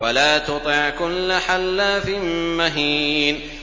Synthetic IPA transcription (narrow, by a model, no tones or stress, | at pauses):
walaːt̪ʊt̪ˤɪʕkʊlːaħalːaːfɪmaɦiːn